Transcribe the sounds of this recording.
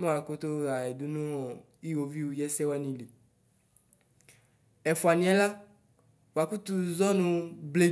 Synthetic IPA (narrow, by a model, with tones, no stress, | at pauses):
mɛ̃˦wa˨ko˦t̪o˦a˨ɛ˨du˦nũ˦ɔ˨ | i˦wo˨vi˦wu˨jɛ˦sɛ˦wɛ˦nĩ˨li˨ | ɛ˨fu˨a˨nĩ˦ɛ˦la˦ | wo˨a˨ku˦t̪u˨zɔ˦nũ˦ble˨